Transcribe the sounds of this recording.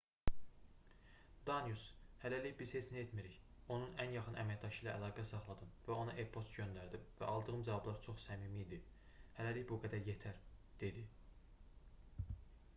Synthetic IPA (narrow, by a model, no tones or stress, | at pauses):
d̪̥ɑnjushælæliçbiz̥het͡ʃʰiniet̪miɾiç | o̞nunænjɑχɯnʔæ̰mæcd̪ɑʃɯjlæʔːlˠɑːɡæsɑχlˠɑd̪ɯmvæo̞nɑʔepʰo̞st̪ɟønd̪æɾd̪imvæʔɑlˠd̪ɯɣɯmd͡ʒɑvɑblˠɑɾt͡ʃʰo̞χsæmiːmiːd̪i | hælæliçbuɡæd̪æɾjet̪ʰæɾd̪̥e̞d̪i